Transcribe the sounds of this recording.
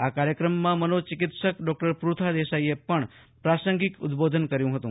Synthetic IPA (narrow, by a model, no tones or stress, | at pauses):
akaɾjəkɾəmːãmənot͡ʃɪkɪt̪ʃəkɖɔk̚ʈəɾpɾut̪ʰad̪eʃaiepəɳ | pɾasə̃ŋɡɪkʊd̪bod̪ʱənkəɾjũɦət̪ũ